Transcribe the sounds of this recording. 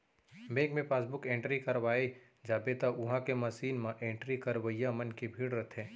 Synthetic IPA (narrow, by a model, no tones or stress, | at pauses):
meːkmẽpaːs̬bʊkẽːɳʈɾikɐɾʋaːi | d͡ʒaːbeːt̪aʔʊɦãkemɐsiːnmãʔẽːɳʈɾikɐɾʋəijamɐnkibʱiːɽɾɐt̪ʰẽː